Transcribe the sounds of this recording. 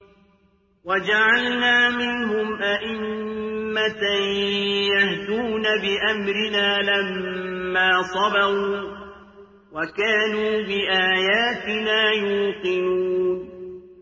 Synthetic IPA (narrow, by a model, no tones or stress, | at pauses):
wad͡ʒaʕalnaːmɪnɦʊmʔaʔɪmː | at̪ajahd̪uːnabɪʔamɾɪnaːlamːaːsˤɑbɑɣuː | wakaːnuːbɪʔaːjaːt̪ɪnaːjuːqɪnuːnn